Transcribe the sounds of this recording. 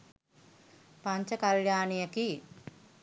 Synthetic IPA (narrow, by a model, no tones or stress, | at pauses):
paɲt͡ʃəkaljaːnijəki